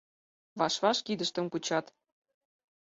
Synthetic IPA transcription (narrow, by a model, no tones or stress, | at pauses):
βɑʃβɑʃkid̪ə̆ʃt̪ə̆mkut͡ɕɑt̪